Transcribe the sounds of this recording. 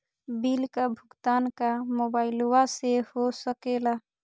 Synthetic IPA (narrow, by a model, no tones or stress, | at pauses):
bilkabʱʊɡt̪ankamobaɪluwasehosəkela